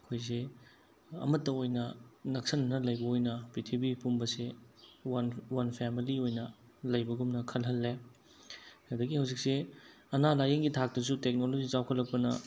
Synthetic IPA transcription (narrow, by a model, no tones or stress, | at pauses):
ɐkʰojz̬e | ɐ̰mɐtːɐojnɐnɐk̚sɐnɐnɐlɐjbɐojnɐpitʰibipumbɐsewɐnwɐnpʰemiliojnɐ | lɐjbɐɡumnɐkʰɐlɦɐlːe | ɐdɐɡihɐwzik̚se | ɐnalajɐŋɡitʰak̚tɐs̬utek̚nolod͡ʒit͡ʃawkʰɐlːɐk̚pɐnɐ